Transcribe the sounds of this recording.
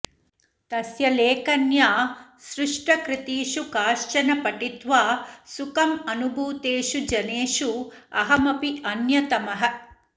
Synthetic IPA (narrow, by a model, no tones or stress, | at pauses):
t̪ɐsjɐleːkɐnjaːsɾɪʂʈɐkɾit̪iːʃukaːʂt͡ʃɐnɐpɐʈit̪ʋaːsukɐmɐnubʱuːt̪eːʃud͡ʒɐneːʃuɐɦɐmɐpiʔɐnjɐt̪ɐmɐɦɐ̆